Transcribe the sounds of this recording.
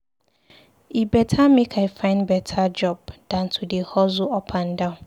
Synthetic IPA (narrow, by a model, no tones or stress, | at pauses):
ibɛtʰamẽkʰaɪfãɪ̃nbɛtʰad͡ʒɔb̚d̥ãntʰudɪhɔzʊɔpʰãndãn